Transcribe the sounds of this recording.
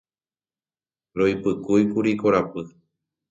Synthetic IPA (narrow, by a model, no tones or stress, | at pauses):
ɾojpɨkujkuɾikoɾapɨ